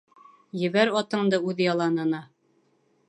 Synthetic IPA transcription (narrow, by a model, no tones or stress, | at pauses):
jɘ̆βæɾɒt̪ɤ̆ɴd̪ɤʉðɘjɑlˠɑnɤ̆nɑ